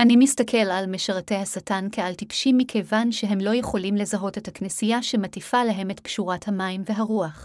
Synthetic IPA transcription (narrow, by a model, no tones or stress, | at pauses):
ʔanimistakʰe̞lalmeʃaʁate̞jhasatankealtipʃimːikʰejvanʃeɦe̞mlo̞je̞χo̞limle̞zaɦo̞te̞thaknisijaʃe̞matifalaɦe̞me̞tpʃuʁathamaimve̞ɦaʁuaχ